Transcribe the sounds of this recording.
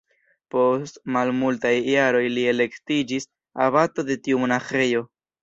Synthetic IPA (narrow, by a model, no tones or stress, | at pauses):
po̞stmalmultajːaɾo̞jlie̞le̞ktid͡ʒis | aβato̞de̞tiumo̞naxe̞jo̞